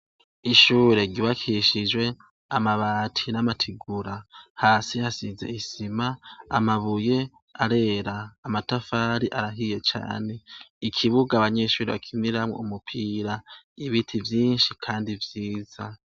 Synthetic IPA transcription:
iʃuːɾe̞ɡiβakʰiʃid͡ʒwe̞ | amaβaːtʰinamatʰiɡuɾahaːsihasiːze̞̰isimaːmaβuje̞ | aɾe̞ːɾaːmatafaːɾiʔaɾaɦije̞t͡ʃa̰ːne̞ikʰiβuɡaβaɲe̞ːʃuːɾeβa̰kʰiniɾamŋwo̰umupʰiːɾa | iβitʰivjiːnʃikʰaːndivjiːza

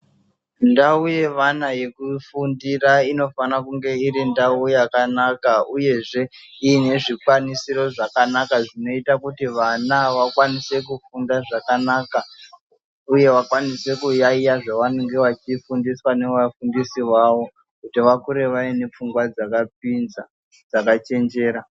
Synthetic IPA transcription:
ndauje̞ʋanaje̞kufundiraino̞fanakuŋɡe̞iɾindaujakanakauje̞ʐe̞ | iːne̞ʐikwanisiɾo̞ʐakanakaʐino̞itakutiʋanaʋakwanise̞kufundaʐakanaːka | uje̞ʋakwanise̞kujaijaʐaʋaneŋɡe̞ʋat͡ʃifundiswane̞ʋafundisiʋawo̞ | kutiʋakuɾe̞ʋaine̞p͡fuŋɡwad͡zakap̚inza | d͡zakat͡ʃe̞nd͡ʒe̞ːɾa

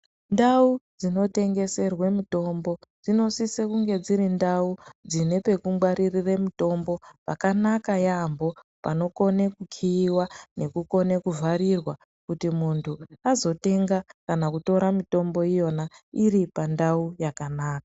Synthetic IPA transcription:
ndaud͡zino̞te̞ŋɡe̞se̞rwe̞mito̞mbo̞d͡zino̞sisekuŋɡe̞d͡ziɾindaud͡zine̞pe̞kumɡwaɾiriremito̞mbo̞pakanakajambo̞pa̰no̞ko̞ne̞kukʰiːwane̞kuko̞nekuvaɾirwa | kutimuntʰuazo̞te̞ŋɡakanakuto̞ɾamito̞mbo̞ijo̞nairipandaujakanaːka

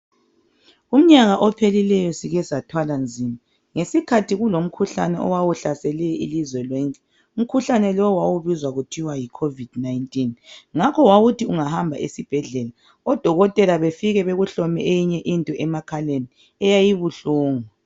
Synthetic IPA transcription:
um̩ɲaɣaʔɔpʰelilɛjɔsiɣɛzatʰwaland͡zʱima | ŋesikʰatʰiɣulom̩kʰuɬa̰nɛ̰ʔɔ̰wawuɬasɛlɛilizwɛlwɔŋkʼɛ | um̩kʰuɬanɛlɔwawuβizwaɣutʰiwajikʰovid̥najntʼinŋakʰɔwawutʰiuŋahambʱa̰ʔesib̥ʱɛɮɛːla | ɔd̥ʱɔɣɔtʼɛlaβefiɣɛβeɣuɬɔmɛʔejiɲɛʔintʼɔʔɛmakʰaleni | ɛjajiβuɬɔːŋa

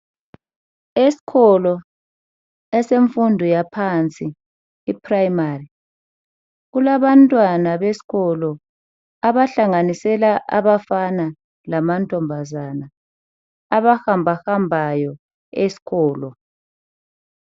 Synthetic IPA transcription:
esi̥kɔlɔ | ɛseɱfundʱɔjapʰant͡sʼiː | pʰrajimari | ɣulaβantʼwanaβesi̥ɣɔlɔ | aβaɬaŋanisɛlaʔa̰βafana | lamantʼɔmbʱazana | aβahambʱahambʱajɔ | esi̥ɣʰɔːlɔ

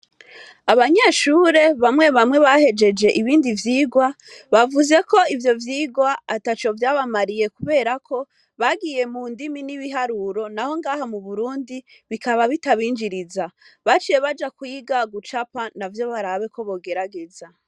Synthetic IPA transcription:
aβaɲe̞ːʃuːɾe̞βamŋe̞βamŋe̞βahe̞d͡ʒe̞d͡ʒe̞ʔiβiːndivjiːɡwaβavuze̞ko̞ivjo̞vjiːɡwaːtat͡ʃo̞vjaːβamaɾije̞kuβe̞ːɾakʰo̞ | βaɡiːje̞muːndiminiβiɦaɾuɾo̞naho̞ŋɡaːhamuβuɾuːndiβikaβaβitaβiːnd͡ʒiɾizaβat͡ʃije̞βad͡ʒakwiɡaɡut͡ʃapanavjo̞βaɾaβe̞ko̞βo̞ɡe̞ɾaɡe̞za

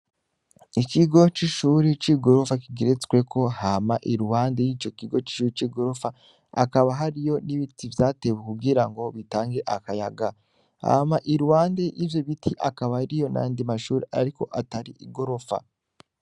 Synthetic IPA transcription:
ikiɡo̞t͡ʃiʃuːɾit͡ʃiɡo̞ɾofakiɡeɾet͡skwe̞kʰo̞hamaʔiɾuhaːnde̞jiːt͡ʃo̞kiɡo̞t͡ʃi̥ʃuːɾit͡ʃiɡo̞ɾo̞fa | a̰kaβaɦaɾijo̞niβitivjaːte̞wekuɡiɾaŋɡo̞βitaːŋɡe̞ʔakajaɡa | ha̰maʔiɾuhaːnde̞ʔivjo̞βitʰiʔa̰kaβaɾijo̞na̰andimaʃuːɾiʔaɾiko̞ʔataɾiʔiɡo̞ɾo̞fa̰

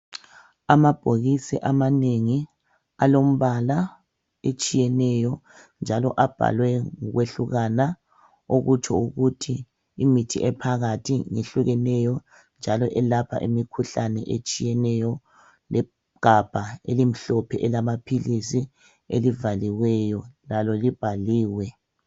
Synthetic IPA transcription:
amab̥ʱoɣisɛ̰ʔamaneŋi | alom̩βala | et͡ʃʼijɛnɛjɔ | nd͡ʒʱalɔ̰ʔab̥ʱa̰lwɛŋuɣweɬuɣana | oɣut͡ʃʰʼɔuɣutʰiː | mitʰḭʔɛpʰaɣatʰiŋeɬuɣɛnɛjɔ | nd͡ʒʱalɔʔɛlapʰa̰ʔimikʰuɬanɛ̰ʔet͡ʃʼijɛnɛjɔ | lɛ | ɡ̥ʱab̥ʱaḛlim̩ɬɔpʰɛʔɛlamapʰilisi | elivaliwɛjɔlalɔlib̥ʱaliːwɛ

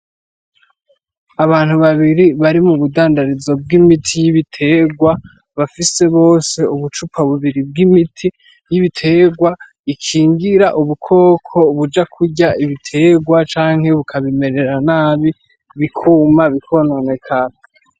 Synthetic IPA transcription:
aβaːn̥huβaβiɾiβaɾimuβudaːndaɾizo̞b̚ɡimitʰijiβitʰe̞ɡwa | βafise̞βo̞ːse̞uβut͡ʃupʰaβuβiɾib̚ɡimitʰi | jiβitʰe̞ːɡwa | ikʰiːŋɡiɾaʔuβukʰo̞ːkʰo̞βud͡ʒakʰuɟaiβitʰe̞ːɡwat͡ʃaːŋ̥he̞βukʰaβime̞ɾe̞ɾanaːβi | βikʰumaβikʰo̞nonekʰa

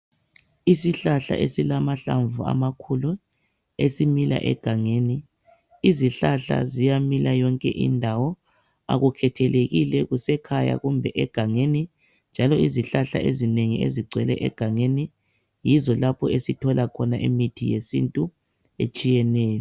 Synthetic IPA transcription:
isiɬaɬa̰ʔesilamaɬaɱvua̰makʰulu | esimila̰ʔɛ̰ɡ̥ʱaŋeni | iziɬaɬa̰zijamilajɔŋkʼɛ̰ʔḭndʱawɔ | a̰ɣukʰɛtʰɛleɣilɛɣusɛkʰaja̰ɣumbʱɛʔɛɡ̥ʱaŋeni | nd͡ʒʱalɔiziɬaɬa̰ʔezineŋiḛziɡ͡ǀʱwɛlɛ̰ʔɛ̰ɡ̥ʱaŋeni | jizɔlapʰɔesitʰɔlakʰɔnaʔimitʰijesḭntʼu | et͡ʃʼijɛnɛːjɔ

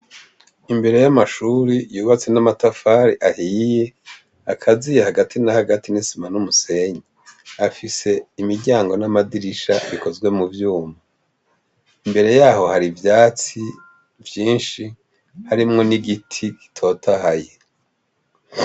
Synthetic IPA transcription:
imbe̞ɾe̞jamaʃuːɾijuːβat͡se̞namatafaːɾiʔahiːje̞ | akʰazijehaɡatʰinahaɡatinisimanumuse̞ɲeafise̞imiɾɟaːŋɡo̞namadiɾiʃaβiko̞zɡwe̞muvjuːma | imbe̞ɾe̞jaːho̞haɾivjaːt͡si | vjiːnʃi | haɾimŋo̞niɡitʰiɡi̥tʰo̞tʰahaje̞

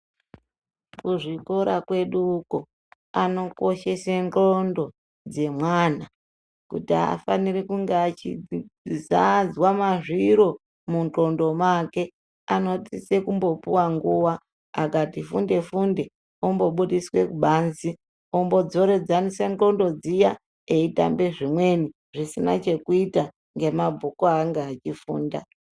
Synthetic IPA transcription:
kuʐiko̞ɾakwe̞ɗuko | ano̞ko̞ʃe̞senro̞ndo̞ | d͡ze̞mwaːna | kutia̰fanirikuŋɡeat͡ʃizad͡zwamaʐiɾo̞ | munto̞ndo̞make̞ | ano̞tise̞kumbo̞puwaŋɡuwa | akatifṵnde̞funde | ombo̞ɓuɗiswe̞kuɓaːnzi | ombo̞d͡zo̞ɾe̞d͡zanisento̞ndo̞d͡zija | e̞ita̰mbe̞ʐimwe̞ni | ʐisina̰t͡ʃe̞kuita | ŋɡe̞mabʱukoaŋɡeat͡ʃifṵːnda

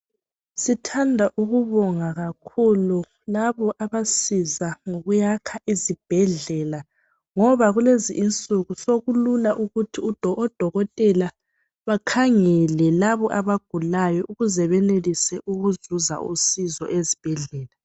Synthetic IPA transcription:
sitʰandʱaʔuɣuβɔŋaɣakʰulu | laβɔʔaβasizaŋoɣujakʰaʔizib̥ʱɛɮɛla | ŋɔβaɣuleziʔːnt͡sʼuɣusoɣululaʔuɣutʰiud̥ʱɔɔd̥ʱɔɣɔtʼɛla | βakʰaŋɛlɛlaβɔʔaβaɡ̥ʱulajɔʔuɣuzɛβɛnelisɛʔuɣuzuza̰ʔusizɔ̰ʔezib̥ʱɛɮɛːla

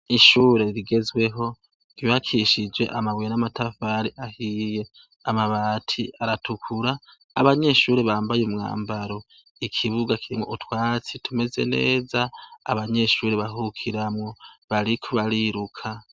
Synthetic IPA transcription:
iʃuːɾe̞ɾiɡe̞zwe̞ɦo̞ | iβakʰiʃid͡ʒwe̞̰ʔamaβwejenamatʰafaɾiʔahije̞ | amaβaːtʰiaɾatʰukʰuɾaː | βaɲe̞ʃuːɾeβaːmbajumŋa̰ːmbaɾo̞ | ikʰiβuɡakʰiɾimŋoʔutwaːt͡sitʰume̞ze̞̰ne̞̰ːza̰ːβaɲe̞ʃuːɾeβaɦukʰiɾamŋo̞βaɾikʰoβaɾiɾukʰa

